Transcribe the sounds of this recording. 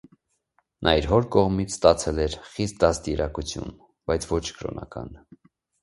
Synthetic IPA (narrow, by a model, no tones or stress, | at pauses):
nʔɑiɾɦɔɾkɔʁmit͡sʰst̪ɑt͡sʰɛlɛɾχist̪̚d̪ɑst̪iɾɑkut͡sʰjṵn | bɑjt͡sʰvɔt͡ʃʰkʰəɾɔ̰nɑ̰kɑ̰n